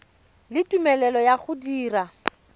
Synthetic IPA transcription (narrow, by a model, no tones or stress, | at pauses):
lɪtʼumɛlɛlɔjaχʊdiːra